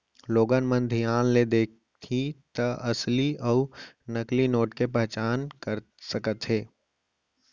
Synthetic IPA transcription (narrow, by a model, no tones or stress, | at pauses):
loːɡənmə̃nd̪ʱijaːnled̪eːk̚ʰ | t̪ʰit̪ɐʔɐsliɔʊnəklinoːʈkepɛɦt͡ʃaːnkəɾ | səkət̪ɦeː